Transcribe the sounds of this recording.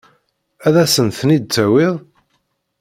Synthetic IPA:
æðæsənθnid̪̚t͡sːæwɪðˤ

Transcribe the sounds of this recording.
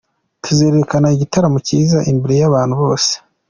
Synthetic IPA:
tʰuze̞ːɾekanaiɟitaɾamuciːzaʔimbeɾejaβaːn̥huβo̞ːse̥

